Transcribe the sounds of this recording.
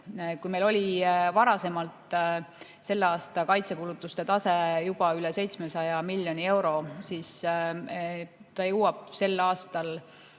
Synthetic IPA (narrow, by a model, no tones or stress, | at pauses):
kujme̞jlo̞lʲivɑɾɑse̞mɑlt̪ˑ | se̞lːeɑːst̪ɑkɑjt̪se̞kulut̪ːˑust̪e̞t̪ɑse̞jub̥ɑyle̞se̞jt̪smesɑjɑmilʲːjonʲie̞wɾo̞siːs | t̪ɑjɤwɑb̥̚se̞lːɑːst̪ɑl